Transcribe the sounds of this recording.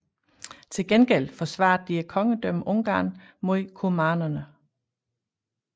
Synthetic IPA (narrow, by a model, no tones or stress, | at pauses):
t͡sʰe̝lɡ̥enɡ̥el̰fɒ̽sʋɑ̰̈ːd̩ˠd̥iækʰɒ̽ŋəd̥œm̰ʔɔ̽ŋɡ̥ɑ̰̈ːn | mo̝ðˠkʰomɑ̈ːnɐnə